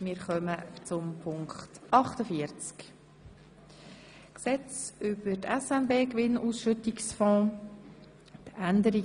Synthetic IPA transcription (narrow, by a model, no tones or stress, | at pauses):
mɪːɾχœmət͡sʊmpʰʊŋkχtʔɑχtəfiəɾt͡sk | ksɛt͡sʏbətʰɛsɛnbeːkʋɪnʔuːsʃʏtiksfɔ̃ː | t̪ænd̪əɾi